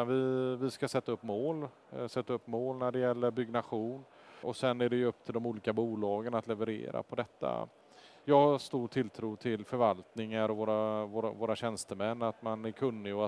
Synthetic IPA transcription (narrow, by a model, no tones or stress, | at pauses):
vɪvɪskasɛt̪ːaɵpːmoːl | sɛt̪ːaɵpːmoːlnæɖɛjɛlːəɾbʏɡnaɧuːn | ʔɔsɛnːæɖɛjɵɵpːt̪ʰɪld̪ɔmuːliːkabuːlɑːɡənat̪lɛvəɾḛːɾa̰pʰɔd̪ɛt̪ːa̰ | jɑːɡhast̪uːʈʰɪlːt̪ʰɾuːt̪ʰɪlfœɾvalt̪nɪŋaɾɔvoːɾavoːɾavoːɾaɕɛnst̪əmɛnːat̪manæɾkʰɵnːɪɔ